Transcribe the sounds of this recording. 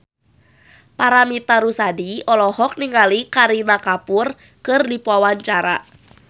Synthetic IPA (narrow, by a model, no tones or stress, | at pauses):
paɾamit̪aɾusadiɔlɔɦɔk̚niŋalikaɾinakapʊr | kɨrdipuawaɲt͡ʃaɾa̰